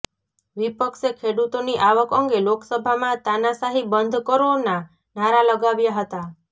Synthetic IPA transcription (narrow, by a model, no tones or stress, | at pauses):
ʋipəkʃekʰeɽut̪oniʔaʋəkəŋɡeloksəbʱamãt̪anasaɦibənd̪ʱkəɾona | naɾaləɡaʋjaɦət̪a